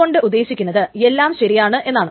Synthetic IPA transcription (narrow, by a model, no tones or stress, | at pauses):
o̞ɳɖɨʔud̪ːe̞ːɕikʲːunːɐðɨe̞lːaːmɕɐɾijaːɳɨʔe̞nːaːɳɨ